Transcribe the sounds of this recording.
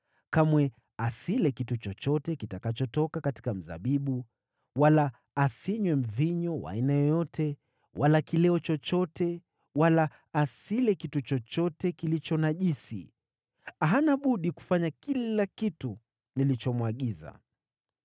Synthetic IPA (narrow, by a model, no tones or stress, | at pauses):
kamwɛ | asilɛkitut͡ʃɔt͡ʃɔtɛkitakat͡ʃɔtɔkakati̥kam̩za̰ɓiɓu | walaː | siɲwɛm̩viɲɔwa̰inajɔjɔtɛ | walakilɛɔt͡ʃɔt͡ʃɔtɛ | walaː | silɛkitut͡ʃɔt͡ʃɔtɛkilit͡ʃɔnaʄisḭ | aɦanaɓuɗiku̥faɲakillakitu | nilit͡ʃɔmwaɠiza̰